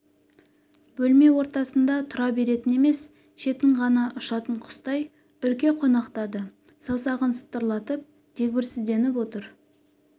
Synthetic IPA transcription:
b̥ɵlme̞wo̞ɾt̪ɑsənd̪ɑt̪ʰʊɾɑbe̞ɾe̞t̪ɪne̞me̞s | ʃe̞t̪ɪɴʁɑnɑʔʊʃɑt̪əɴqʰʊ̥st̪ɑj | ʏɾkʲe̞qʰo̞nɑqt̪ɑd̪əsɑwsɑʁənsə̥t̪ːəɾlˠɑt̪əp̚ | t̪ʰe̞k̚ʲbɪɾsɪzd̪e̞nɪpwo̞t̪əɾ

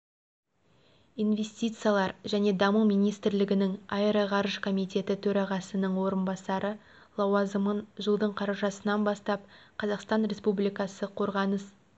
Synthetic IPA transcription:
inve̞sʲt̪ʲijt̪sɨjalˠɑɾʒæne̞d̪ɑmumijnijst̪ɪɾlɪɡʲɪnɪŋɑjɾɑʁɑɾəʒkʰo̞mijt̪e̞t̪ɪt̪ʰɵɾɑʁɑsənəɴwo̞ɾənbɑsɑɾʔə | lˠɑwɑzəmənʒəlˠd̪əɴqʰɑɾɑʒɑsənɑnbɑst̪ɑp̚qʰɑzɑqst̪ɑnɾʲe̞spublijkɑsəqʰo̞ɾʁɑnəs

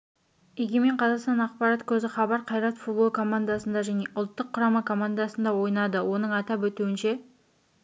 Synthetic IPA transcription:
eɡʲeme̞ɴqʰɑzɑqst̪ɑnɑqpɑɾɑt̪kʲʰɵzɪχɑbɑɾqʰɑjɾɑt̪fut̪̚bo̞lˠkʰo̞mand̪asənd̪ɑʒæne̞ʔʊlˠt̪ːəqʰːʊɾɑmɑkʰo̞mand̪asənd̪ɑwo̞jnɑd̪əwo̞nəɴɑt̪ɑpwɵt̪uwɪnʃe̞

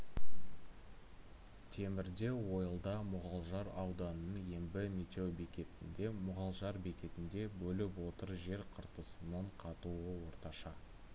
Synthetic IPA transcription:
t̪ʰe̞mɪɾd̪e̞wo̞jəlˠd̪ɑmʊʁɑlˠʒɑɾɑwd̪ɑnənənje̞mbɪmet̪ʲe̞wbekʲe̞t̪ɪnd̪e̞mʊʁɑlˠʒɑɾbe̞kʲe̞t̪ɪnd̪e̞bɵlɪpwo̞t̪əɾʒe̞ɾqʰəɾt̪əsənəɴqʰɑt̪uəwo̞ɾt̪ɑʃɑ

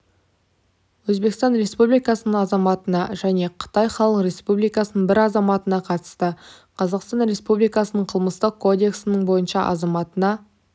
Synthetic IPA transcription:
wɵzbe̞kst̪ɑnɾe̞spublijkɑsənəɴɑzɑmɑt̪ənɑʒæne̞qʰə̥t̪ɑjχɑlˠəqɾe̞spublijkɑsənəɴbɪɾɑzɑmɑt̪ənɑqʰɑt̪ə̥st̪ə | qʰɑzɑqst̪ɑnɾe̞spublijkɑsənəɴqʰəlˠməst̪əq̚kʰːo̞d̪e̞ksɪnəɴbo̞jənʃɑʔɑ̰zɑmɑt̪ənɑ

